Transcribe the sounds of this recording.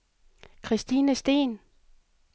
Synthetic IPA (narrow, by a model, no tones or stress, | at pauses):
kʰʁisd̥inəsd̥e̝̰ːn